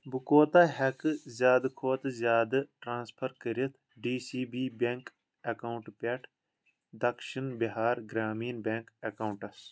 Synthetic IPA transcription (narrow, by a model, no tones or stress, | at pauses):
bukoːt̪aːɦɐkɨzʲjaːd̪ɨkʰoːt̪zʲaːd̪ɨʈɾãːnspʰɐɾkəɾit̪ʰ | ɖiːsiːbiːbeŋk | ɐkɐuɳʈpʲeʈʰ | d̪ɐkʃinbiɦaːɾɡɾaːmiːnbeŋkɐkauɳʈɐs